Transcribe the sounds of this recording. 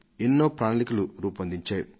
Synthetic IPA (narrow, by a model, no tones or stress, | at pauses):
enːoːpɾaːnɐlikuluɾuːpɐnd̪iɲt͡ʃaːju